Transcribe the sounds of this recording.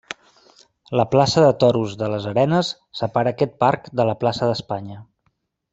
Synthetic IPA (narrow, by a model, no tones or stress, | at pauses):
ləplasəðət̪ɔɾuzðələzəɾɛnəsːəpaɾəːkɛt̪̚parkd̪ələplasəðəspaɲə